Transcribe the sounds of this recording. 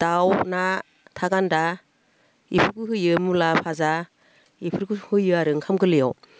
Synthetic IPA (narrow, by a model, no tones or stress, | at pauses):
d̥awna | tʰaɡanda | ḭpʰɯɾkɯɦɯjɯmulapʰaza | ipʰɯɾkɯhɯjɯaɾɯŋkʰamɡɯlijɔw